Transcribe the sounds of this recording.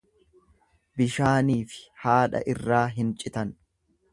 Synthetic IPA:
bɪʃaːniːfɪ̥haːᶑɐ̰ʔɪrːaːɦɪnt͡ʃʼɪt̪ɐn

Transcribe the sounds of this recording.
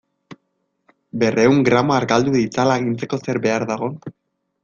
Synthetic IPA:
be̞re̞uŋɡɾamoaɾɣald̪uðit͡salaeɣ̞int͡se̞ko̞se̞ɾbe̞aɾðaɣ̞o̞

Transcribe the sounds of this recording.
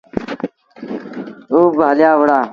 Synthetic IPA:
oːbʱaːljaːwɐɽaː

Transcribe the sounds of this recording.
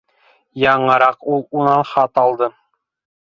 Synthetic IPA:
jɑɴɤ̆ɾɑqulˠunɑnχɑt̪ɑlˠd̪ɤ

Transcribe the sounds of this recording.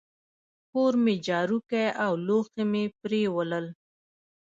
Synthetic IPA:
koɾmed͡ʒɑɾukejawloxemepɾewələl

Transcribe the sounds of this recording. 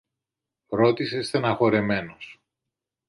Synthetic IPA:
ɾo̞t̪isest̪enɐxo̞ɾe̞me̞nos

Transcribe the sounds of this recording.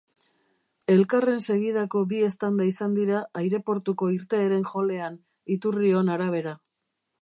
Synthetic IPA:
e̞lkare̞nse̞ɣið̞ako̞bie̞st̪and̪aisand̪iɾaːjɾe̞po̞ɾt̪uko̞iɾt̪e̞ːɾe̞ŋxo̞le̞an | it̪urio̞naɾaβ̞e̞ɾa

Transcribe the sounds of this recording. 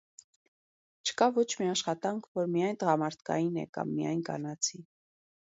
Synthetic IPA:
t͡ʃʰə̥kɑvɔt͡ʃʰmiɑʃχɑt̪ɑŋkʰvɔɾmijɑjnt̪əʁɑmɑɾt̪ʰkɑ̰jinɛ̰kɑ̰mːijɑ̰jnkɑ̰nɑt͡sʰi

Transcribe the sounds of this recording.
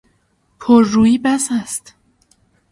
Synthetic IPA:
pʰoɾːuːjiːbæsæst̪

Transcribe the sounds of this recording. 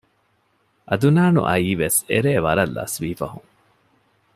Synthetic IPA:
ʔɐd̪unaːnṵʔɐiːʋesḛɾeːʋɐɾɐlːɐ̰sʋiːfɐɦuŋ

